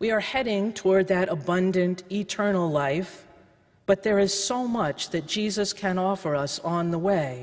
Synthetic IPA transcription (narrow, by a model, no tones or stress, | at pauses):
wiə˞hɛɾɪ̃ŋtʰɔɹd̪̚ðɨɾəbʌ̃ndɨ̃ntitʰɜ˞nl̩ˠlaɪf | b̥ʌt̪̚ðə˞ɪz̥soʊmʌt͡ʃðɨt̚d̥ʒ̥izɨskʰɨ̃nɔfə˞ʌsn̩ðəweɪ